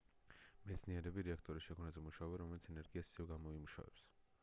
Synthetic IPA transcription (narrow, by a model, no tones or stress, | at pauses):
mɛt̪sʰniɛɾɛbiɾɛakʰt̪ʼɔɾisʃɛkʰɔnazɛmuʃaɔbɛɾɔmɛlit̪ʰɛnɛɾɡiasi̥sɛvɡamɔimuʃa̰vɛ̰ps